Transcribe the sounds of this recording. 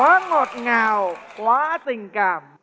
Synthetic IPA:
aː˦˥ŋo˨˩t̪̚ŋaː˧wkwaː˦˥si˨˩ŋka˨˩m

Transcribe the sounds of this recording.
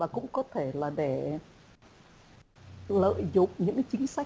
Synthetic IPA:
aː˨˩kʊ̰˧˥ŋ͡mkɔ˨˦t̪ʰe˧˩laː˨˩ɗe˧˩ | lə̰ː˧˨jzʊ̰˨˧˨ŋ͡m̚ɲɨ̰˧˥ŋkt͡ɕï˨˦ŋ̟sa˦˥

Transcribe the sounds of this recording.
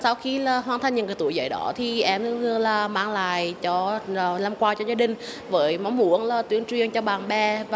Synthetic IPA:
sa˧wxi˧laː˨˩ɦwaː˧nt̪ʰa˧jŋɲɨ̰˨˩nkəː˨˩t̪ṵ˧˨əjzə̰˧˨˩jɗɔ̰˧˦t̪ʰi˨˩ʔɛ˧mɨ˧ŋhɨ˧əlaː˨˩maː˧ŋla̰ː˧˨jt͡ɕɔ˧˨˩na˧mkwaː˧t͡ɕɔ˧zaː˧ɗï˨˩ŋ̟vəː˨˦jma˨˦wmmṵ˧˥˦ənlaː˨˩t̪wi˨˦əŋt͡ɕwi˨˧˨əŋt͡ɕɔ˧ɓaː˨˩ŋɓɛ˧˩vaː˨˩

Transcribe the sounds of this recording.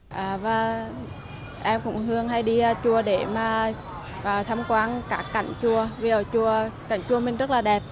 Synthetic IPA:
ʔaː˨˩vaː˨˩ | ʔɛ˧mkʊ̰˧˥ŋ͡mhɨ˧əŋɦa˧jɗiː˧t͡ɕu˨˩əɗe˧˩maː˨˩ | ʔəː˨˩t̪ʰa˧mkwaː˨˧nkaː˦˥kːa˧˩jŋ̟t͡ɕu˨˩əvi˨˩ʔəː˧˨˩t͡ɕu˨˩əka˧˩jŋt͡ɕu˧˩əmï˨˩ŋ̟zə˦˥t̚laː˨˩ɗɛ˨˩p̚

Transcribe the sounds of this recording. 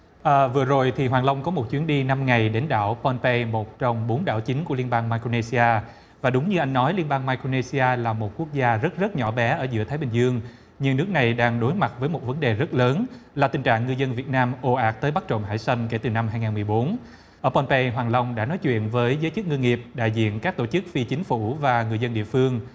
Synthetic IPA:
ʔəː˨˩vɨ˨˩əzo˨˩jt̪ʰi˨˩ɦwaː˨˩ŋlə˧wŋ͡mkɔ˨˦mo˨˩t̚t͡ɕwi˨˦nɗi˧na˧mŋa˨˩jɗe˨˦nɗa̰ː˧˩wpɔ˧npe˧mo˨˩t̚t͡ɕɔ˧wŋ͡mɓo˨˦nɗa̰ː˧˩wt͡ɕï˨˦ŋku˧˩əli˧ənɓaː˧ŋmaː˧jko˧ne˧si˧aː˧ | vaː˨˩ɗʊ˨˦ŋ͡mɲɨ˧ʔa˧jŋ̟nɔ˨˦jli˧ənɓaː˧ŋmaː˧jko˧ne˧si˧aː˧laː˨˩mo˨˩t̚ku˦˥ək̚zaː˧zə˦˥t̚zə˦˥t̚ɲɔ̰˧˩ɓɛ˨˦ʔəː˧˩zɨ̰˧˥t̪ʰaː˨˦jɓï˨˩ŋzɨ˧əŋ | ɲɨ˧ŋnɨ˦˥k̚na˨˩jɗaː˧ŋɗo˨˦jma˨˩t̚vəː˨˦jmo˨˩t̚və˨˦nɗe˨˩zə˦˥t̚ləː˨˦nlaː˨˩t̪ï˨˩ŋ̟t͡ɕa̰ː˧˨ŋːɨ˨˩əzə˧nvi˨˩ət̚naː˧mʔo˧ʔaː˦˥k̚t̪əː˨˦jɓa˦˥k̚t͡ɕo̰˧˨ŋ͡mɦa̰ː˧˩jsa˧jŋke˧˩t̪ɨ˨˩na˧mɦaː˧jŋaː˨˩nmɨ˨˩əjɓo˨˦n | ʔəː˧˩pɔ˧npe˧jɦwaː˨˩ŋla˧wŋ͡mɗa̰ː˧˥nɔ˨˦jt͡ɕwḭ˧˨ənvəː˨˦jzəː˨˦jt͡ɕɨ˦˥k̚ŋɨ˧ŋːi˨˩əp̚ɗa̰ː˧˨jzḭ˧˨ənkaː˦˥k̚t̪o˧˩t͡ɕɨ˦˥k̚fi˧t͡ɕï˨˦ŋ̟fu˧˩vaː˨˩ŋɨ˨˩əzə˧nɗḭ˧˨əfɨ˧əŋ

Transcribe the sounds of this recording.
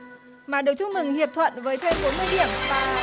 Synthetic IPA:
maː˨˩ɗɨ˨ək̚t͡ɕʊ˧ŋ͡mmɨ˨˩ŋhi˨˩əp̚t̪ʰwə̰˧˨nvəː˨˦jt̪ʰa˧jfo˨˦mɨ˧əjɗi˧˩əmvaː˨˩

